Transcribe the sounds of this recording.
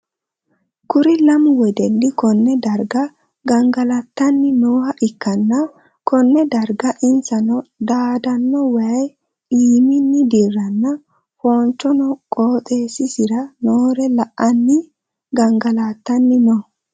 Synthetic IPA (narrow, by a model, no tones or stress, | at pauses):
kʊɾɪlɐmʊwɛd̪ɛnːɪkɔnːɛd̪ɐɾɡɐ | ɡɐŋɡɐlɐt̪ːɐnːɪnoːhɐʔɪkːɐnːɐ | kɔnːɛd̪ɐɾɡɐʔɪnsɐnɔd̪aːd̪ɐnːɔwaj | iːmɪnːɪd̪irːɐnːɐ | foːnt͡ʃːɔnɔkʼoːt̪ʼe̞ːsɪsɪɾɐnoːɾɛlɐʔɐnːi | ɡɐŋɡɐlaːt̪ːɐnːɪnɔː